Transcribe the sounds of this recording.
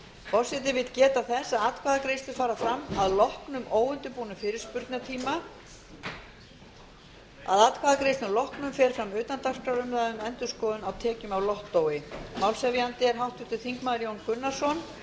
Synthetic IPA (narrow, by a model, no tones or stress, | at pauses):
fɔr̥sɪt̪̬ɪvɪðcɛːt̪aθɛsaðat̪̚kʰaːðakɾejst̪ʏfaːɾafɾamːaðlɔhknʏmoːwʏnt̪ʏpuːnʏfɪːɾɪɾ̥spʏɾt̪nat̪ʰiːma | a̰ðat̪̚kʰvaːðakɾejst̪ʏlɔhknʏmfɛːɾ̥fɾamʏːt̪ant̪ar̥kɾaɾʏmðaðʏmɛnt̪ʏskɔːðʏnawt̪ʰɛːcʏmawlɔht̪ːoːwɪmawlsɛvjant̪ɪɛɾ̥ɦawht̪ʏ̥t̪ʰɪlθiŋkmaːðɪɾjownkʏnːḁsɔn